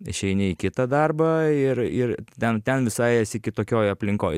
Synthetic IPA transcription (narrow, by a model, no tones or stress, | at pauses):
ɪʃʲɛɪnʲɪikʲɪt̪ɐd̪ɐrbɐɪrɪrt̪ʲɛnt̪ʲɛnʋʲɪsɐɪɛsʲɪkʲɪt̪oːkʲoːjɐpʲlʲɪŋkoːj